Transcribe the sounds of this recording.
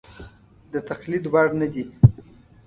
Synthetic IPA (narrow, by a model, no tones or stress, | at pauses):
d̪ət̪axlid̪wɑɽnəd̪i